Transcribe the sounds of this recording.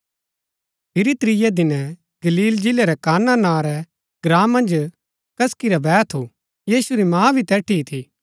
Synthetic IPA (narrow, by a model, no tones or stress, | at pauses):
pʰɪɾit̪ɾɪjad̪ɪnɛ̃ | ɡɐliːld͡ʒɪleɾɛkaːnanãːɾɛ | ɡɾãːmːɐ̃nd͡ʒ | kɐskiɾabɛːt̪ʰo | jiːsuɾimãːbʱit̪ɛːʈʰiːt̪ʰi